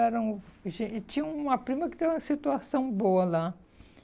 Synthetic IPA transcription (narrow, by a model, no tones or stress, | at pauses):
ɛɾɐ̃ʒẽt͡ʃĩɲɐũmɐpɾĩmɐkɪ̥t̪ẽũmɐsit̪uasɐ̃w̃boɐla